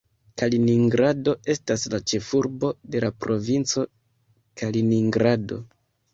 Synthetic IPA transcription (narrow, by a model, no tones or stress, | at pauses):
kaliniŋɡɾado̞e̞staslat͡ʃe̞fuɾbo̞de̞lapɾo̞vint͡so̞ | kaliniŋɡɾado̞̰